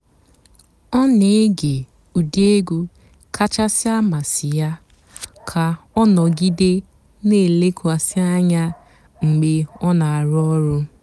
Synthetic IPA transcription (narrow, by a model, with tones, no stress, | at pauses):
ɔ˦ne˨˦ɡe˨ | u˨de˦ɡu˦ | kʰa˦t͡ʃa˦sɪ˦a˦ma˨sɪ˨ja˦ | kʰa˨ɔ˦nɔ˨ɡi˦de˦ | ne˦˨le˦kwa˨sɪ˦a˦ɲa˦ | ŋ͡m̩˨ɡ͡be˨ɔ˦na˨a˨ɾɔ˦ɾʊ˦